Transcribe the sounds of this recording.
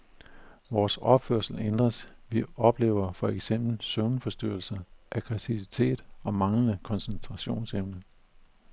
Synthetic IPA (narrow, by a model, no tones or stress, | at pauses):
ʋɒːsɒ̽b̥føɐ̰sl̩end̥ʁɐsʋiɒ̽b̥le̝̰ːʊɐfɒ̽eɡ̥sem̰b̥l̩søʊnfɒ̽sd̥yɐ̰l̩sɐʔæɡ̥ʰʁɛsʰiʋit͡sʰe̝̰ːd̥ɒ̽mɑ̈ŋlənəkʰɒ̽nsent͡sʰʁɑ̈ɕo̝̰ːnseʊnə